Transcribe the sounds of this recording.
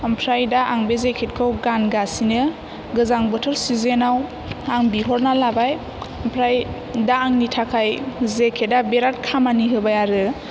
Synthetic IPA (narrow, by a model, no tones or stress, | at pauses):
ampʰɾajdaʔaŋbezekʰet̚kʰɯwɡanɡasinɯ | ɡɯzaŋbɯtʰɯɾsizenaw | aŋbiɦɔɾnalabaj | ampʰɾaj | daːŋnitʰakʰajzekʰedabeɾatkʰamaniɦɯbajaɾɯ